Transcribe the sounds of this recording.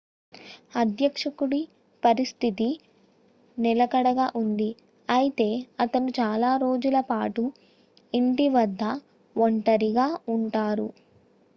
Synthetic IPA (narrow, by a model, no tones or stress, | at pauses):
ɐd̪jɐkʂɐkuɽi | pɐɾist̪ʰit̪i | nilɐkɐɽɐɡaːʔund̪i | ɐjit̪e̞ːɐt̪ɐnut͡ʃaːlaːɾo̞ːd͡ʒulɐpaːʈu | iɳʈiʋɐd̪ːɐ | ʋoɳʈɐɾiɡaːuɳʈaːɾu